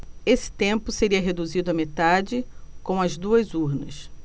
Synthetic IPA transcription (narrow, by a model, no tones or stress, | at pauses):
esɪ̥t̪ẽmpʊseɾiɐɦed̪uzid̪ʊɐmet̪ad͡ʒɪkõw̃ɐzd̪uɐzuɾnɐs